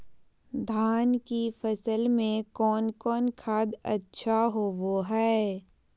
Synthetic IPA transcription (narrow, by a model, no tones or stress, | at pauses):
d̪ʱaːnkifəsəlmẽkɔːnkɔːnkʰaːd̪ə̰tːʃʰaɦoːʋoɦɛː